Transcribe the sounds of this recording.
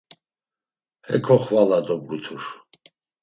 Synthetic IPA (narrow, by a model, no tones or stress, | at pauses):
hɛ̰kʰɔχvalad̪ɔb̚ɡut̪ʰuɾ